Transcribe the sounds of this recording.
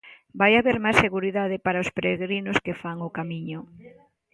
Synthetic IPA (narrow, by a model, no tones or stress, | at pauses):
bajaβeɾmaseɣuɾiðaðɪpaɾaospɾeɣɾinʊskefaŋʊkamiɲʊ